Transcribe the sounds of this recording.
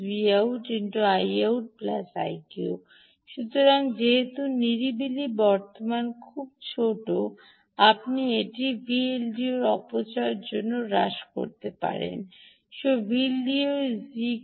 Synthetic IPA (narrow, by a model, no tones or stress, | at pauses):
biawʈinʈuajawʈ̚pla̰sa̰jko | ʃut̪oɾaŋd͡ʑeɦet̪uniɾibilibɔɾt̪omankʰub̚t͡ɕʰoʈo | apnieʈibielɖioɾɔpot͡ɕaeɾd͡ʑonːoɾa̰ʃko̰ɾt̪epa̰ɾḛn | ʃobiliozi